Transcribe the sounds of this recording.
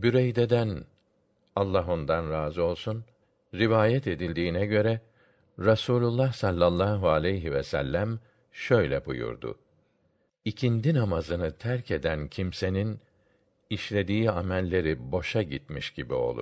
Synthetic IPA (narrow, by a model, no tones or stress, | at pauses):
byɾejd̪ed̪æn | alˠːaɦo̞nd̪anɾaːzɯo̞lˠsun | ɾivaːjɛt̪e̞d̪ilʲd̪iːnɛɟø̞ɾɛ | ɾasuːlʲulˠːahsalʲˠːalˠːaːɦualʲejɦivɛsælʲːæm | ʃø̞jlʲɛbṵjṵɾd̪ʊ̰ | icʰind̪inamazɯnɯt̪ʰæɾcʰe̞d̪æncʰimse̞nin | iʃlʲe̞d̪iːamælʲːe̞ɾibo̞ʃaɟit̪miʃɟibḭo̞̰lˠṵ